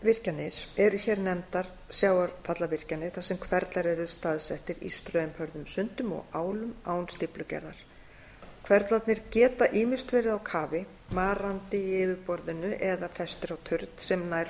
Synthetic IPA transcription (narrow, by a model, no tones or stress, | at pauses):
vɪr̥canːɪɾ̥ɛɾʏçɛːɾnɛmt̪aɾ̥ | sjaːwaɾfat̪lavɪr̥canːɪɾ̥θasɛmkʰvɛɾt̪laɾɛɾʏ̥st̪aːðsɛht̪ɪɾḭst̪ɾœmhœɾðʏmsʏnt̪ʏmɔ̰ɣaːwlʏmaːwnst̪ɪplʏcɛ̰ɾðaɾ̥ | kʰvɛɾt̪lat̪nɪɾcɛːt̪aʔiːmɪst̪vɪːɾɪðawkʰaːvɪ | maːɾant̪ɪɪːvɪɾpɔɾðɪnʏʔɛðafɛst̪ɪɾawt̪ʰʏɾt̪sɛmnaːjɾ